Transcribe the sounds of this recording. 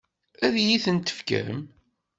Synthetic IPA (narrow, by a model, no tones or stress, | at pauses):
æðjiθənt̪ə̥fkə̰ə̰m